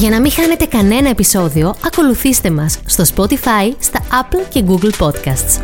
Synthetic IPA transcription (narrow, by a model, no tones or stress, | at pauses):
ʝɐnɐmixɐne̞t̪e̞kɐne̞nɐe̞piso̞ðio̞ɐko̞luθist̪e̞mɐsːt̪o̞spo̞t̪ifɐist̪ɐɐplce̞ɡuɡlpo̞t̪kɐst̪s